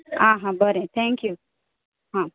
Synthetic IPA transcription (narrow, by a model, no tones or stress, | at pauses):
aɦãbəɾet̪ʰɛ̃ŋkju | ɦã